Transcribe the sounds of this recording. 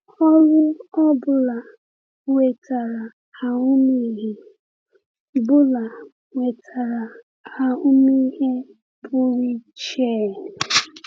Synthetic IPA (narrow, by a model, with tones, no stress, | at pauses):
ɔ˦lʊ˦ɔ˦bʊ˨la˨ | we˨ta˨ɾa˨ | a˨ʊ˦mi˦ɦe˨ | bʊ˦la˨ | we˨tʰa˨ɾa˨ | a˨ʊ˦mi˦ɦe˦ | bʊ˦ɾi˦t͡ʃe˦˨